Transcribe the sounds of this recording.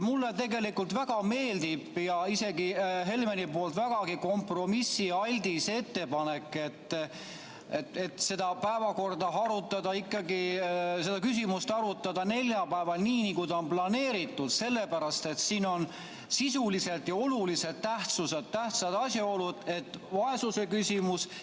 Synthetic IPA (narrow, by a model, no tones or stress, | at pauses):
mulːet̪e̞ɡe̞likːult̪væɡ̥ɑme̞ːld̪ib̥jɑise̞ɡiɦe̞lmenipo̞ːlt̪væɡ̥ɑɡiko̞mpro̞misːiɑlʲd̪̥ise̞t̪ːe̞pɑne̞kːˑe̞t̪ːˑ | et̪e̞t̪se̞d̪ɑpæevɑko̞rd̪ɑɦɑɾut̪ːˑɑd̪ɑikːˑɑɡise̞d̪̥ɑkysimust̪ɑɾut̪ːˑɑd̪̥ɑne̞lʲjɑpæevɑlniːnikujt̪ɑonplɑne̞ːɾit̪ːˑud̪̥se̞lːepæɾɑst̪e̞t̪siːno̞n | sisulise̞lt̪jɑo̞lulise̞d̪̚t̪ːæht̪sused̪̥t̪ːæht̪sɑd̪ɑsʲjɑo̞lud̪̥e̞t̪ːˑvɑe̞suse̞kysʲimus